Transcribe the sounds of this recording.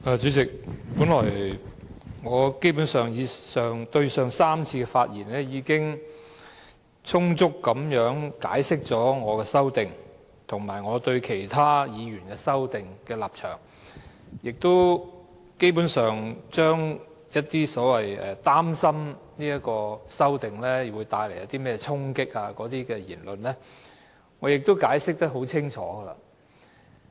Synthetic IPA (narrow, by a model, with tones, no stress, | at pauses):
aː˨˩t͡ʃyː˨˥t͡sɪ˨k̚puː˨˥nlɔː˨˩j | ŋɔː˨˧ke˥jp̬u˨˥nsœː˨˩ŋjiː˨˧sœː˨ŋt̪ɵ˧ɥsœː˨ŋsaː˥mt͡sʰiː˧kɛ˧faː˧t̚jiː˨˩nlɛː˥jiː˨˧kɪ˥ŋ | t͡sʰʊ˥ŋt͡sʊ˥kːɐ˨˧˥mjœː˨˥ŋkaː˨˥jsɪ˥k̚t͡sɔː˨˥ŋɔː˨˧kɛː˧sɐ˥wt̪ɪ˨ŋ | t̪ʰʊ˨˩ŋmaː˨˩jŋɔː˨˧t̪ɵ˧ɥkʰe˨˩jt̪ʰaː˥jiː˨˧jyː˨˩nkɛː˧sɐ˥wt̪ɪ˨ŋkɛː˧laː˨p̚t͡ʃʰœː˨˩ŋ | jɪ˨k̚t̪o˥w | ke˥jp̬u˨˥nsœː˨ŋt͡ʃœː˥ŋ | jɐ˥t̚t̪iː˥sɔː˨˥wɐ˨jɛː˨t̪aː˥msɐ˥mniː˥jɐ˥tkːɔː˧sɐ˥wt̪ɪ˨ŋlɛ˥jwuː˨˧jt̪aː˧jljɐ˨˧˥t̪iː˥mɛː˥jɛ˧t͡sʰʊ˥ŋkɪ˥k̚aː˧kɔː˨˥t̪iː˥kɛː˧jiː˨˩nlɵ˨nlɛː˥ | ŋɔː˨˧jɪ˨k̚t̪o˥wkaː˨˥jsɪ˥k̚t̪ɐ˥k̚ɦo˨˥wt͡sʰɪ˥ŋt͡ʃʰɔ̰ː˨˥ɡɐ˧la̰˧